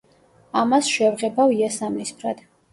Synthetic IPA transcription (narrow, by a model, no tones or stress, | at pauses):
amasʃɛvʁɛbaviasamnispʰɾad̪̥